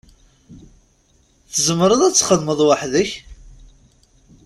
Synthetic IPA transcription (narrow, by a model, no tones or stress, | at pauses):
θəzəmːəɾˤəðæt͡sːχəðməðˤwaħðəç